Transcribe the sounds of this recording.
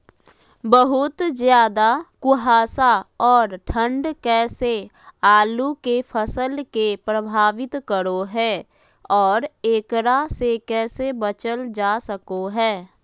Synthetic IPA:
bəɦʊt̪zjaːd̪akʊɦaːsaɔːɾʈʰə̃ɳɖkɛːse | aːlukepʰəsəlkepɾəbʱaːʋɪt̪kəɾoɦɛː | ɔːɾeːkɾasekɛːsebət͡ʃəld͡ʒaːsəkoɦɛː

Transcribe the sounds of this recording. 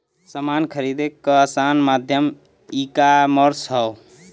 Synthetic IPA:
səmankʰəɾid̪ekːəːsanmad̪ʱjəm | ikaməɾsɦəw

